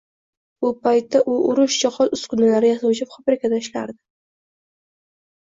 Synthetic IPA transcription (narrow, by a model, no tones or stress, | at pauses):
bʊpʰajt̪ːaʔʊʔʊɾʊʃd͡ʒɒχɒt̪ʊskʊnalaɾɪjasawt͡ʃʰɪpfɒbɾɪkʰʲad̪aɪʃlaɾd̪ɪ